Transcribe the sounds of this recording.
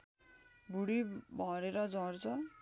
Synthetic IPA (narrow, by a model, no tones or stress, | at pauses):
buɽibʱɔɾeɾʌd͡zɔɾd͡zʌ